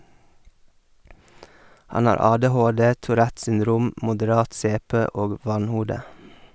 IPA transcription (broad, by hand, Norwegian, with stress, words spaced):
ˈhɑn ˈɑːɾ ˈɑːdɛˌhoːdeː tuːˈɾæt sʏnˈdɾuːm mʊdəˈɾɑːt ˈseːˌpeː ˈoːɡ ˈʋɑnˌhuːdə